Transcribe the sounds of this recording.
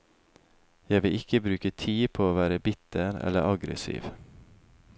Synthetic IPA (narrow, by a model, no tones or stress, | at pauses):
jæɪʋɪɪkəbɾʉːkət̪ʰiːpʰoːoːʋæːɾəbɪt̪əɾɛ̰ləɾʔɑɡɾə̰sḭːʋ